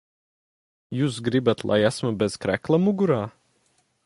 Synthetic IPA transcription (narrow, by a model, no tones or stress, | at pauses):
juːsɡɾibat̪lˠa̰jæsmɐbɛz̥kɾæklˠamuɡuɾaː